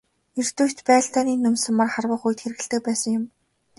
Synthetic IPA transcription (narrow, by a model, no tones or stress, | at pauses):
er̥t̪ujʲt̪pæːɬt̪aːniːnːɵmsə̆mːarχarwə̆ːχujt̪xeɾɘ̆ɣɘ̆ɬt̪ɘ̆k̚pæːsə̆ŋjʊm